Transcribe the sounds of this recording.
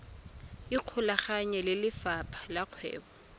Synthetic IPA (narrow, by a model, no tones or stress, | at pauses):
ɪq͡χʰʊlaχaɲɛlɪlɪfapʰḁlaq͡χʰwɛ̰ːbɔ